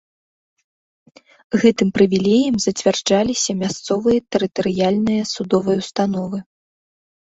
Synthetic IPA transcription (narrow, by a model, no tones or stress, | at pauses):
ɣɛt̪ɨmpɾɨvʲilʲɛjɐmzɐt͡sʲvʲard͡ʐalʲisʲɐmʲast̪sɔvɨjɐt̪ɛɾɨt̪ɐɾɨjalʲnɨjɐsud̪ɔvɐjɐwst̪an̪ɔvɨ